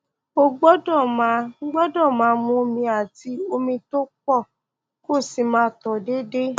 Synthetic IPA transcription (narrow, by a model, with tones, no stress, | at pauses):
o˧ɡ͡bɔ˦dɔ˦˨mã˨˦ɡ͡bɔ˦dɔ˦˨mãː˨˦mũ˧mĩ˧a˨ti˨˦o˧mĩ˧to˦k͡pɔ˦˨ | ko˦˨si˨mãː˧˦tɔ˨de˦de˦